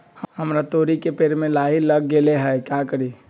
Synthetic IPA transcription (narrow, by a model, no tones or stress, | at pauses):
həhəmɾat̪oɾikepeɾmelailəɡːeleɦɛjkakəɾi